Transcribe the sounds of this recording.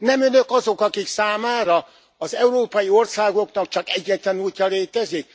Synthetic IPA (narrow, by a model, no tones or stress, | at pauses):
nɛmønøkɒzo̞kɒkiksaːmaːɾɒ | ɒzɛuɾoːpɒjio̞rsaːɡo̞knɒkt͡ʃɒkɛɟːɛt̪lɛnuːcːɒleːt̪ɛzik̚